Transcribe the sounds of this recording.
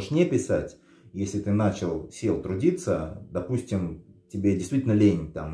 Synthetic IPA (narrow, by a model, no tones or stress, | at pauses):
əʂnʲepʲɪsatʲ | jesʲlʲɪt̪ɨnat͡ɕɪlˠsʲelˠt̪ɾʊdʲit̪səd̪ɐpusʲtʲɪmtʲɪbʲedʲɪjst̪vʲitʲlʲnəlʲenʲɪnʲt̪a̰m